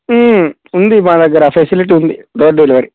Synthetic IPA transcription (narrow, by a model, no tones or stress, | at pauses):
und̪imaːd̪ɐɡːɐɾɐːpʰeːsiliʈ̬iund̪id̪oːɾɖeːliʋɐɾi